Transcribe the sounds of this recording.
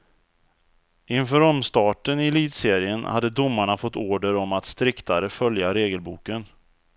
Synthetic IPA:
ɪnfœːɾɔmst̪ɑːʈənɪliːd̪seːɾɪənhad̪ːəd̪ʊmːaɳafɔt̪ːoːɖəɾɔmat̪st̪ɾɪkt̪aɾəfœljaɾeːɡəlbuːkən

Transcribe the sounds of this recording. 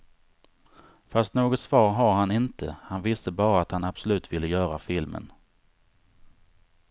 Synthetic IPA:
fast̪noːɡɔt̪svɑːɾɦaɾɦanɪnt̪ʰəhanvɪst̪əbɑːɾaat̪hanab̥sɔlʉ̟ːt̪vɪlːəjœːɾafɪlmə̰n

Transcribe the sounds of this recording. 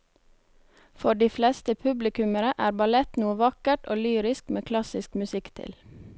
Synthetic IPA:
fɔɖiːflɛst̪əpʰʉblɪkʉməɾəʔæːɾbɑlɛt̪nuːəʋɑkəʈo̰ːlyːɾɪskmeːkʰlɑsɪskmʉsɪkt̪ʰɪ̰l

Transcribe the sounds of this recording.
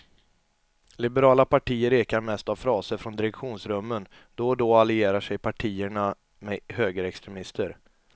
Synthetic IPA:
lɪbɛɾɑːlapaʈʰiːəɾeːkaɾmɛst̪avfɾɑːsəɾfɾɔnd̪ɪɾɛkɧuːnsɾɵmːən | d̪̥ɔd̪ɔalɪeːɾaʂɛjpʰaʈʰiːəɳa | mɛhøːɡəɾɛkst̪ɾɛmɪst̪ʰəɾ

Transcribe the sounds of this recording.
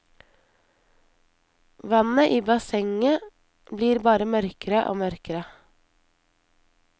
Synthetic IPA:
ʋɑnəʔiːbɑsɛŋə | bliːɾbɑːɾəmœɾkəɾəʔo̰ːmœɾkəɾə

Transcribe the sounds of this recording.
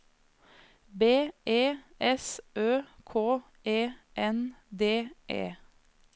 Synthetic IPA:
beːʔeːʔɛsʔøːkʰoː | eːʔɛnd̪eːʔḛː

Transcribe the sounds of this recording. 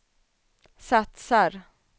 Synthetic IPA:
sat̪saɾ

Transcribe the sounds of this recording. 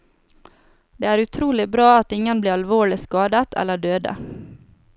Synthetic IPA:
d̪̥eːæːɾʉt̪ʰɾuːlɪbɾɑːɑt̪ɪŋːənbliːɾɑlʋoːɭɪskɑːd̪ət̪ʰɛ̰lːəɖøːd̪ə̰

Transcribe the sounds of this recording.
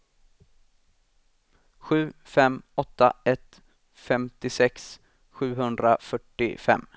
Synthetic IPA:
ɧʉ̟ːfɛmɔt̪ːa̰ɛt̪ | fɛmt̪ɪsɛks | ɧʉ̟ːɦɵnd̪ɾa̰fœʈːɪ̰fɛ̰mː

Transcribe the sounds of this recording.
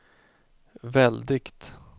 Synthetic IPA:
vɛld̪ɪkt̪

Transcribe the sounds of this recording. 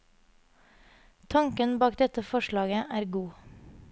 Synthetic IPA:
t̪ʰɑŋkənbɑːk̚d̪ɛt̪əfɔʃɭɑːɡəʔæːɾɡuː

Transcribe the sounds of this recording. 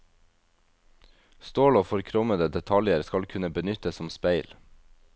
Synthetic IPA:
st̪oːloːfɔɾkʰɾɔməd̪əd̪ɛt̪ʰɑljəɾskɑlkʰʉnəbənʏt̪əsɔmspeɪl

